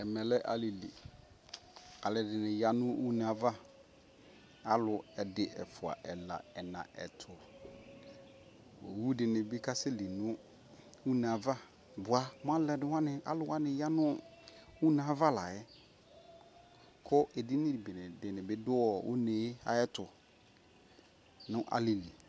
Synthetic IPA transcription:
ɛ˨mɛ̃˨lɛ˦ʔa̰˨li˨lḭ˨ | a˨lɛ˨dɪ˨nɪ̃˨ja˦nʊ̃˦u˦nã˨va˦ | a˦lʊ˨ɛ˨dɪ˦ɛ˨fʊ˨a̰˨ʔɛ˨la̰˨ɛ˨nã̰˨ʔɛ̰˨tʰʊ˨ | o˨wu˦dɪ˨nɪ̃˨bɪ˦kʰa˦sɛ˦li˨nʊ̃˦ | u˦nã˨va˦ | bʊ˨a˨mʊ̃˦ã˦lɛ˨dɪ˨wã˦nɪ̃˨a̰˦lʊ˨wã˦nɪ̃˨ja˦nʊ̃˦ | u˦nã˨va˦la˨ɛ˦ | kʰɔ˦ʔe˨di˦nɪ̃˦di˨bɪ˨nɪ˨dɪ˨nɪ̃˨bɪ˦dʊ˦ɔ˨wʔʊ̰˦ne˨˦a̰˨ɛ˦tʰʊ˨ | nʊ̃˦ʔa̰˦li˨li˨

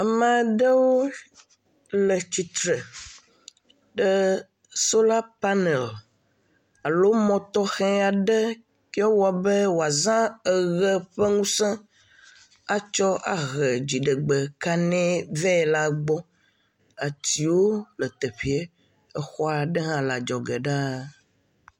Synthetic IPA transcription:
a˨mã˨ɖə˦wo˦ | lə˨t͡ɕi˨t̪ɾə˨ | ɖə˦ | so˦la˦pa˦nɛ˨l | a˨lo˦mɔ̃˨t̪ɔ˦xɛ̃˦a˨ɖɛ˦ | kɔ˦wa˨bɛ˦wo˨a˨zã˦ə˨ɣɛ˦ɸɛ˦ŋũ˦sɛ̃˦ | a˦t͡ʃɔ˦a˨ɣɛ˨d͡ʑi˨ɖɛ˨ɡ͡bɛ˨ka˦nɛ̃˦vɛ˦˨la˦ɡ͡bɔ˦ | a˨t̪i˨wo˦lə˨t̪e˨ɸi˨e˦ | ɛ˦xɔ˦a˨ɖɛ˦ɦã˦la˨d͡ʒɔ˨ɡɛ˨ɖa˦

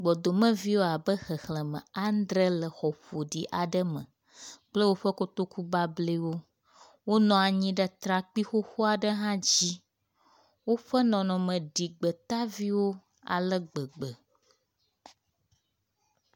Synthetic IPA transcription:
ɡ͡bɔ˨d̪o˨mə̃˦vi˦wo˦a˨bə˦xə˨xlə̃˨mə̰̃˨a˦n˦d̪ɾə˦lə˨xɔ˨ɸo˨ɖi˨ʔa˨ɖə˦mə̰̃˨ | k͡plə˦wo˦ɸə˦ko˦t̪o˦ku˦ba˦ble˦wo˦ | wo˦nɔ̃˨a˨ɲĩ˦ɖə˦t̪ɾa˨k͡pi˦xo˦xo˦a˨ɖə˦ɦã˦d͡ʑi˦ | wo˦ɸə˦nɔ̃˨nɔ̃˨mə̃˨ɖi˨ɡ͡bə˨t̪a˦vi˦wo˦ | a̰˨lə˦ɡ͡bə˨ɡ͡bə˨

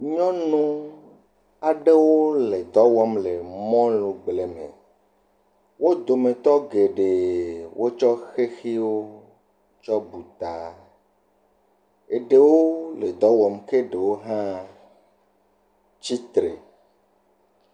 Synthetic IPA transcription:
ɲɔ̃˦nũ˦ | a˨ɖe˦wo˦le˨d̪ɔ˦wɔ˦mle˨mɔ̃˦lũ˨ɡ͡ble˨mḛ̃˨ | wo˦d̪o˨mẽ˨t̪ɔ˦ɡe˨ɖe˨wʔo˦t͡ʃɔ˦xe˦xi˦wo˦ | t͡ʃɔ˦bu˨t̪a˨ | e˨ɖe˨wo˦le˨d̪ɔ˦wɔ˨mke˦ɖe˨wo˦ɦã˦ | t͡ɕi˦t̪ɾḛ˨

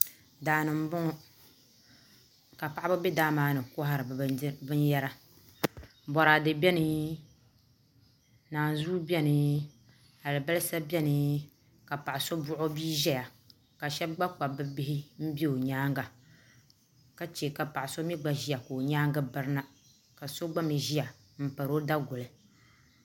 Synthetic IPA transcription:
daː˨nɨ˨m̩˦bʊ˦ŋ˦ | ka˨pa˦ʔa˦bɨ˦be˦daː˦maː˦nɨ˨kʊ˦ɦa˦ɾɨ˨bɨ˦n˦jɛ˦ɾa˦ | bɔ˨ɾaː˨dɨ˨bɛ˦nɨ˦ | naː˨n˨zuː˦bɛ˦nɨ˨ | a˨lɨ˨ba˦lɨ˦sa˦bʲɛ˦nɨ˨ | ka˨pa˨ʔa˨so˦bʊ˦ʔʊ˦biː˦ʒɛ˦ja˨ | ka˨ʃɛ˦b̚ɡ͡ba˦k͡pa˨bɨ˦bi˦hɪ˦m̩˦bi˦o˨ɲaː˦ŋɡa˨ | ka˨˦t͡ʃe˨ka˨pa˨ʔa˨so˦mi˦ɡ͡ba˨ʒi˦ja˨koː˨ɲaː˦ŋɡɨ˦bɨ˦ɾɨ˦na˦ | ka˨so˦ɡ͡ba˦mi˨ʒi˦ja˨ | m̩˨pa˨ɾo˦da˦ɡʊ˨lɨ˨

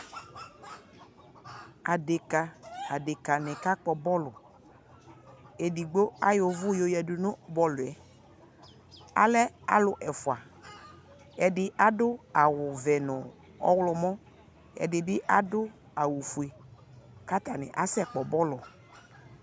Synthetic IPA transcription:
a˨de˨ka˨a˨de˨ka˨nɪ̃˨ka˦k͡pɔ˨bɔ˦lʊ˨ | e˨di˨ɡ͡bo˦a˦jo˨vʊ˦jo˨jɛ˨dʊ˨nʊ̃˦bɔ˦lʊ˨ɛ˨ | a̰˨lɛ˦a˨lʊ˨ʔɛ˨fʊ˨a˨ | ɛ˨dɪ˦ʔa˦dʊ˦a˨wʊ˨vɛ˨nʊ̃˨ | ɔ̰˦wlɔ˨mɔ̃˦ | ɛ̰˨dɪ˨bɪ˦ʔa˦dʊ˦ | a˨wu˨fu˨e˨ | ka˦t̪a˨nɪ̰˨ʔa˦sɛ˦k͡pɔ˨bɔ˦lɔ˨

